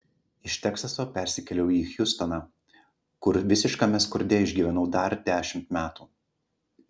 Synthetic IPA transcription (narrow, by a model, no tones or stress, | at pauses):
ɪʃt̪ʲɛksɐsoːpʲɛˑɾʲsʲɪkʲɛlʲɛʊiːxʲjʊst̪ɔnɑː | kʊɾʋʲɪsʲɪʃkɐmʲɛskʊɾʲd̪ʲɛɪʒʲɡʲiːʋʲɛnɐʊd̪ɐɾd̪ʲæːʃʲɪmt̪mʲæːt̪uː